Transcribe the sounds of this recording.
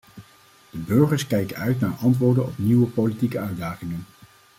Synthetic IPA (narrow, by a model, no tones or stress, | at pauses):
d̥əbɵɹχəɹskɛjkəœɥtnaːɹʔɑntʋʊːɹdənɔpniwəpolitikəœɥdaːχɪŋən